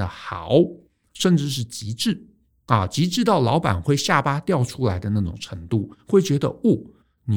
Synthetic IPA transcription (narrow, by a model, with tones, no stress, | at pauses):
ə˩xɑ˨˩ʊ | ʂə˥˧nʈ͡ʂɻ̩˥˧ʂ̬ɻ̩˥˩t͡ɕi˧˥ʈ͡ʂɻ̩˥˩ | ɐ˥˩t͡ɕi˧˥ʈ͡ʂɻ̩˥˧t̪ɑ˥˩ʊlɑ˧˥ʊpa̰˨˩nxwe˥˧ɪɕja˥˩pa˥t̪jɑ˥˩ʊʈ͡ʂʰu˥la˧˥ɪd̪ə˧na˥˩ʈ͡ʂʊ̰˨˩ŋʈ͡ʂʰɤ˧˥ŋt̪u˥˩xwe˥˩ɪt͡ɕɥɛ˧˥d̪ə̰˧u˥˩ | ni˨